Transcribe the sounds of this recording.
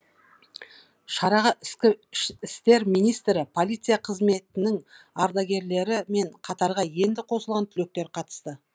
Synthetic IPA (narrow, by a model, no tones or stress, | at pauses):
ʃɑɾɑʁəʔɪskʲɪʃɪst̪e̞ɾmijnijst̪ɾɪpʰo̞lˠijt̪sɨjaqʰəzme̞t̪ɪnɪŋ | ɑɾd̪ɑɡʲe̞ɾle̞ɾɪme̞ɴqʰɑt̪ɑɾʁɑje̞nd̪ɪqʰo̞səlˠʁɑnt̪ʰʏle̞k̚t̪e̞ɾqʰɑt̪ə̥st̪ə